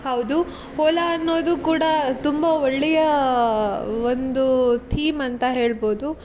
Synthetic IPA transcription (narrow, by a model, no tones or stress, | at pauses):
hɐwd̪u | hoːlɐːnːo̞ːd̪ukuːɽɐt̪umbɐoɭːɛjɐ | ond̪ut̪ʰiːmɐnt̪ɐɦe̞ːɭbo̞ːd̪u